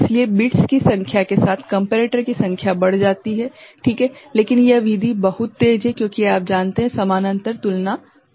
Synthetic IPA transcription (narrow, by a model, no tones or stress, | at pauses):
ɪsliebɪʈskisɐ̃ŋkʰjakesaːt̪ʰkɐ̃mpeɾeːʈəɾkisɐ̃ŋkʰjabɐɽ̤d͡ʒaːt̪iɦɛʈʰiːkɦɛːleːkɪnjeʋiːd̪ʱibɐɦʊt̪ːeːd͡ʒɦɛkjõːkiaːp̚d͡ʒaːnt̪eɦɛ̃sɐmaːnɐ̃nt̪əɾt̪ʊlna